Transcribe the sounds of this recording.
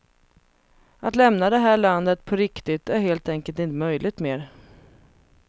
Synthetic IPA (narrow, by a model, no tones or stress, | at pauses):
at̪lɛmnad̪ɛɦæːɭand̪ət̪pʰɔɾɪkt̪ɪt̪æɾɦeːlt̪ɛŋkəlt̪ɪnt̪əmœjlɪɡ̚t̪meːɾ